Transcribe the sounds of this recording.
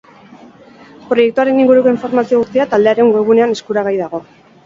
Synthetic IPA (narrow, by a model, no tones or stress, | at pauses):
pɾo̞je̞k̚t̪uaɾe̞niŋɡuɾuko̞iɱfo̞ɾmasio̞ɣust̪iat̪ald̪e̞aɾe̞ŋɡwo̞βune̞ane̞skuɾaɣajð̞aɣ̞o̞